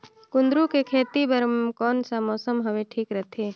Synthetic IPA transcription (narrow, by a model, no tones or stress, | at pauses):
kʊ̃nd̪ɾukekʰeːt̪ibəɾəmkɔːnsamɔːsəmɦɐʋeʈʰiːkɾət̪ʰeː